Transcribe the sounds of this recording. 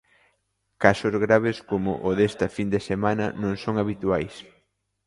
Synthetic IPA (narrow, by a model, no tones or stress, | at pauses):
kasʊzɣɾaβeskomʊʔʊðest̪ɐfind̪esemanɐ̰nõŋsoŋaβit̪uajs